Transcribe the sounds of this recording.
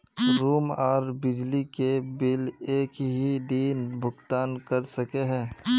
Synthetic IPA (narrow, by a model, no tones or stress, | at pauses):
ɾuːmaːɾbɪd͡ʒlikebɪleːkɦid̪iːnbʱʊɡt̪aːnkɐɾsɐkeɦɛ̃ː